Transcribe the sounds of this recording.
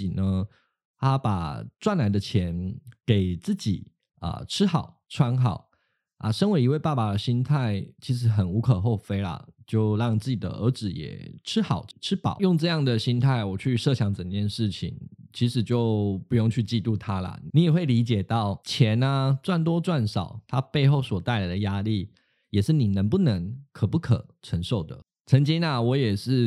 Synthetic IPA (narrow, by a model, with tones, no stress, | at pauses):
i˨˩nə˦ | t̪ʰa˥pa˨˩t͡swa˥˩nla˧˥ɪd̪ə˧t͡ɕʰjɛ˧˦nke˨˩ɪt͡sɹ̩˥˩t͡ɕḭ˨˩ | ə̰˨˩ʈ͡ʂʰɻ̩˥xɑ˨˩˦ʊʈ͡ʂʰwa˥nxɑ˨˩˦ʊ | ʔa̰˧ʂə˥ŋwe˧˥ɪi˧˥we˥˧pa˥˩ba˨˩d̪ə˩ɕi˥nt̪ʰa˥˩ɪt͡ɕʰi˧˥ʂ̬ɻ̩˧˥xə˨˩nu˧˥kʰɤ˨˩xo˥˩ʊfe˥ɪlə̰˨t͡ɕjo˥˧ʊɻɑ˥˧ŋt͡sɹ̩˥˩t͡ɕi˨˩d̪ə̰˩ʔə̰˞˧˥t͡sɹ̩˨˩jɛ̰˨˩ʈ͡ʂʰɻ̩˥xɑ˨˩˦ʊʈ͡ʂʰɻ̩˥pɑ̰˨˩˦jʊ˥˧ŋʈ͡ʂɤ˥˧jɑ˥˩ŋd̪ə˩ɕi˥nt̪ʰa˥˩ɪwɔ˨˩t͡ɕʰy˥˧ʂɤ˥˩ɕjɑ˧˥ŋt͡sə˨˩nt͡ɕjɛ˥˧nʂɻ̩˥˩t͡ɕʰḭ˨˩ŋt͡ɕʰi˧˥ʂɻ̩˨˩t͡ɕjo˥˧ʊpu˥˧jʊ˥˧ŋt͡ɕʰy˥˧t͡ɕi˥˧t̪u˥˩t̪ʰa˦lɐ̰˨˩ni˧˥jɛ˨˩xwe˥˩ɪli˧˥t͡ɕjɛ˨˩t̪ɑ˥˩ʊt͡ɕʰjɛ˧˦na˧t͡swa˥˩nt̪̬wɔ˥t͡swa˥˩nʂɑ˨˩ʊt̪ʰa˦pe˥˧ɪxo˥˩ʊswɔ˨˩t̪a˥˩ɪla˧˥ɪd̪ə˩ja˥li˥˩ | jɛ˨˩ʂɻ̩˥˩ni˨˩nə˧˥ŋpu˥˩nə˧˦ŋkʰə˨˩pu˥˩kʰə̰˨˩ʈ͡ʂʰə˧˥ŋʂo˥˩ʊd̪ə̰˩ | t͡sʰə˧˦˥ŋt͡ɕi˥ŋa˨wɔ˧˥jɛ˨˩ʂɻ̩˥˩